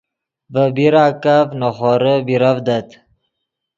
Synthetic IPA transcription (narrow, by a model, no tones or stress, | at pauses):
vəbiɾaːkavnoχoɾəbiɾavd̪at̪